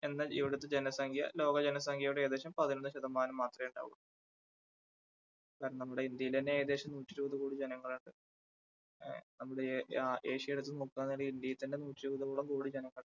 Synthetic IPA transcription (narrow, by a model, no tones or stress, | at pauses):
e̞nːɐḭʋiɽut̪ːed͡ʑe̞nɐsɐŋɡʱijɐ̰lo̞ːɡɐd͡ʑenɐs̬ɐŋɡijɐjuɽeeːd̪e̞ːɕɐmpɐðinonːɨɕɐðɐmaːnɐmːaːt̪rɐeuɳɖa̰ːɣun | kaːɾɐnnɐmːuɽeind̪jɐjilɐneeːd̪e̞ːɕɐmnuːtːiɾuːðɐkuːɽid͡ʑe̞nɐŋːɐɭuɳɖɨ | nɐmːuɽeʔeːʂijɐeɽut̪ːɨnoːkːuaːnːiɽiind̪jɐjɐt̪ːindenuːtːiɾuːðɐpuːɽɐmkuːɽid͡ʑenɐŋːɐɭɳɨ